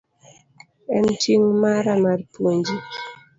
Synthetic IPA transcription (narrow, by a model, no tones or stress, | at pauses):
ɛntiŋmaɾamaɾpwoɲd͡ʒi